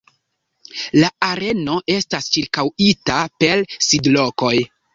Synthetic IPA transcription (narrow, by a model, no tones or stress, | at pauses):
laaɾe̞no̞ʔe̞stast͡ʃiɾkawitape̞lsidlo̞ko̞j